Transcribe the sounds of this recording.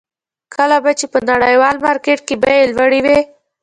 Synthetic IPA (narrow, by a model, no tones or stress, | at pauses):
kʰəlabat͡ʃepənaɽəjwɑlmɑɾkeʈ̚kebajelwaɽiwe